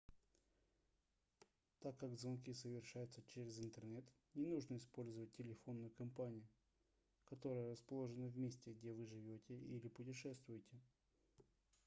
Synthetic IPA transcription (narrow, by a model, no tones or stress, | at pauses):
t̪akːaɡzvɐnk̬ʲisəvʲɪrʂajʊt̪sət͡ɕeɾʲɪzɨnt̪ərnɛt̪ | nʲɪnuʐnəɪspo̞lʲzəvət̚ʲtʲːɪlʲɪfo̞nːʊjʊkɐmpanʲɪjʊ | kɐt̪o̞ɾəjəɾəspɐlˠoʐɨnəvmʲesʲtʲɪɡ̚dʲevɨʐɨvʲotʲɪʔilʲɪpʊtʲɪʂɛst̪vʊjɪtʲɪ